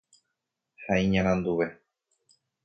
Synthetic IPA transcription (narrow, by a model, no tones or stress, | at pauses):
haĩɲãɾ̃ãnd̪uʋe̞